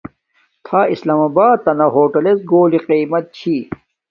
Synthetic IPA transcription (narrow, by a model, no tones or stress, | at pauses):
t̪ʰaːislaːmɐːbaːt̪ːɐnɐɦoːʈɐles̚ɡoːliqiːmɐt̪̚t͡ɕʰi